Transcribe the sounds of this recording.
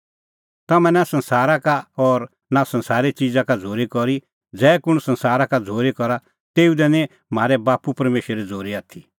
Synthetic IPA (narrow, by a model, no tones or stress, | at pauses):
t̪ɐmɛ̃nasɐ̃nsaːɾakaɔːɾ | nasɐ̃nsaːɾet͡ʃid͡zakad͡zʱoːɾikɔɾi | d͡zɛːkʊɽ̃sɐ̃nsaːɾakad͡zʱoːɾekɔɾa | t̪eːud̪ɛnɛ̃ | m̤aːɾɛbaːpupɐɾmeːʃəɾid͡zʱoːɾiaːt̪ʰi